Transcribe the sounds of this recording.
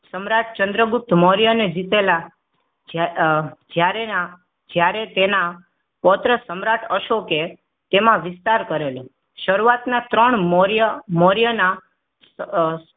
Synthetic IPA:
səmɾaʈ̚ʰt͡ʃənd̪ɾəɡʊp̚t̪ʰmɔɾijəned͡ʒit̪ela | d͡ʒjaɾea | d͡ʒjaɾet̪ena | pɔt̪ɾəsəmɾaʈʰəʃoke | t̪emãʋɪst̪aɾkəɾelo | ʃəɾuat̪nat̪ɾəɳmoɾjəmɔɾjəna

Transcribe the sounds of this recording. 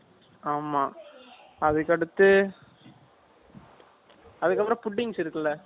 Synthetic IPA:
aːmaː | ɐðɯkːɐɽɯt̪ːɯ | ɐðɯkːɐpːɾõpʊʈːɪŋsɪɾɯkːɐlɐ

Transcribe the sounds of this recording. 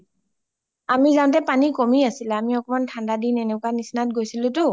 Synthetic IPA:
amizaw̃tɛpanikomiasilaːmiɔkɔmantʰandadinɛnɛkwanisnat̚ɡojsilʊ̃tʊ

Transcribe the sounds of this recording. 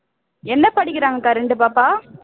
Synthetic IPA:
ɛnːɐpɐɽɪkːɪɾaːŋɡɐkaːɾɛɳɖɯpaːpaː

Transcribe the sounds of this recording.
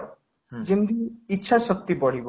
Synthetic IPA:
d͡ʒind̪iitːʃʰasɔk̚t̪ibɔɽ̤ib

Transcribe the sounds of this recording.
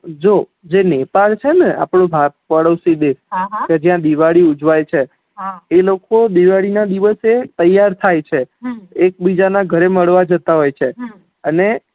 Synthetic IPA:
d͡ʒo | d͡ʒenɛpalt͡ʃʰenea̰pɽõbʱak̚pəɽəʋsid̪esked͡ʒjãd̪iʋaɭiud͡ʒʋajt͡ʃʰe | ɦelokod̪iʋaɽinad̪iʋəset̪əjːaɾt̪ʰajt͡ʃʰeek̚bid͡ʒanaɡʱəɾeməɭʋad͡ʒət̪aɦojt͡ʃʰe | əne

